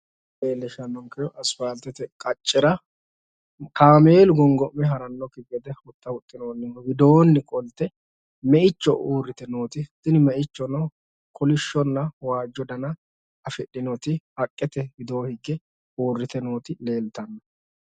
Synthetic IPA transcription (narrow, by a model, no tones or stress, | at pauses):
leːlːɛʃɐnːɔŋkɛjɔʔɐsfaːlt̪ːɛt̪ɛkʼɐt͡ʃʼːɪɾɐ | kaːme̞ːlʊɡɔŋɡɔʔmːɛɦɐɾɐnːɔkːɪɡɛd̪ɛhʊt̪ːɐwʊt̪ʼːɪnoːnːɪnɔwɪd̪oːnːɪkʼɔlt̪ːɛ | mɛʔɪt͡ʃːɔʔuːrːɪt̪ɛnoːt̪ɪt̪ːɪnɪmɛʔɪt͡ʃːɔnɔ | kʰɔlɪʃːɔnːɐwaːd͡ʒːɔd̪ɐnɐ | ɐfɪɗɪnɔt̪ɪhɐkʼːɛt̪ɛhɪd̪o̞ːhɪɡːɛ | uːrːɪt̪ɛnoːt̪ɪle̞ːlt̪ɐnːɐ